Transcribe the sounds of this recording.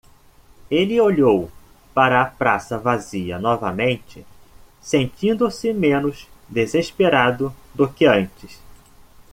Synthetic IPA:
elɪoʎow | paɾɐːpɾasɐvaziɐ̰nɔvɐmẽnt͡ʃɪ | sẽnt͡ʃĩnd̪ʊsɪmẽnʊzd̪ezeʃpeɾad̪ʊd̪ʊkɪɐ̃nt͡ʃɪs

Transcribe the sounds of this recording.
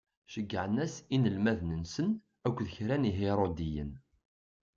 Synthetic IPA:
ʃəɡːəʕnæsinəlmæðnənsən | ækʷːðəçɾæniɦeɾˤod̪ijən

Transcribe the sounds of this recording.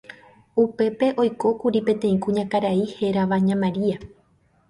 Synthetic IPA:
upe̞pe̞ʔo̞jko̞kuɾipẽ̞t̪ẽ̞ĩkũɲãkaɾaihe̞ɾaʋaɲãmãɾia

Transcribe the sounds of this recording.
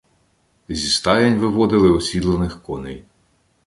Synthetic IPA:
zʲist̪ɑjɐnʲʋɪʋɔd̪ɪlˠɪɔsʲid̪lˠɐnɪxkɔnɪ̰j

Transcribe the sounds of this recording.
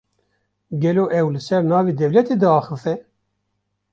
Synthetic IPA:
ɡɛloːʔɛwlɨsɛɾnɑːved̪ɛvlɛt̪ed̪ɨɑːxɨfɛ

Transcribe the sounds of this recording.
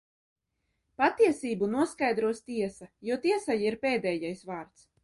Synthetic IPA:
pat̪iɛsiːbunuɔskajd̪ɾuɔst̪iɛsajuɔt̪iɛsajiɾpeːd̪ɛːjajsvaːɾt̪s

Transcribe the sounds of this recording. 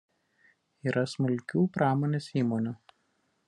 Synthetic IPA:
iːɾʔɐsmʊlʲkʲuːpɾɑːmoːnʲeːsiːmoːnʲuː

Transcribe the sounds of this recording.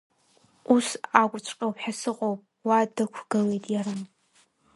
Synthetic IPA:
usakʷʼrt͡ʃʷʰʼqʲʼawpħasɨqʼowpʼ | wadɨkʷʰɡ̥ɨlejtʼjaɾɨm

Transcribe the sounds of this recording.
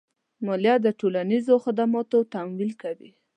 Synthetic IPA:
mɑljɑd̪əʈolanizoxad̪amɑt̪ot̪amwilkawi

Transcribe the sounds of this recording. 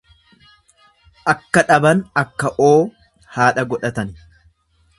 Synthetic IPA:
ʔɐkːɐᶑɐbɐnɐkːɐʔoː | haːᶑɐɡɔᶑɐt̪ɐn

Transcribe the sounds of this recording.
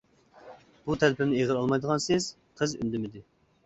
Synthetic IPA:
b̥ut̪ʰælpʰɪmnɪeʁəɾɑlˠmɑjd̪əʁɑnsɪz̥ | qʰəzy̰nd̪ɪmɪd̪ɪ

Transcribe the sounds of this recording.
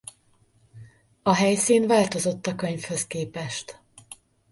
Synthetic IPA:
ɒɦɛjsiːnvaːlt̪o̞zo̞t̪ːɒkøɲfhø̞skeːpɛʃt̪

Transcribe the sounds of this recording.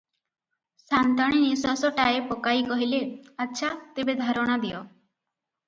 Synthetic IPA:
sant̪aɽ̃inisasɔʈaepɔkajkɔɦileatːʃʰat̪ebed̪ʱaɾɔɽ̃ad̪ijɔ

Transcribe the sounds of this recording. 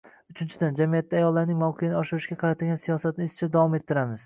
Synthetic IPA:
ʊt͡ʃʰɪnt͡ʃʰɪd̪and͡ʒamijat̪ʰːajɒlˠːaɾnɪŋmawqʰɨɪnɪɒʃɪɾɪʃɡʲaqʰɑɾat̪ʰɪlɡʲansijɒsat̪̚nɪɪsɪt͡ʃʰad̪avɒme̞t̪ʰːɪɾamɪz̥

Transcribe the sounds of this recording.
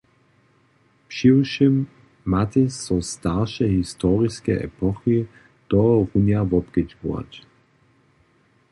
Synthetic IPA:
pʃiʃimː | at̪ɛsɔstaʁʃɛɦist̪ɔːʁiskɛʔɛ̰pʰɔxi | d̪̥ɔʁunjavɔpɡ̥ɛd͡ʒvṵa̰t

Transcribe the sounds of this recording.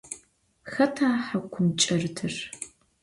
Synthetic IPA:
xɐtʰaːħakʷʰʊmt͡ʃʼɐrɨtʰɨr

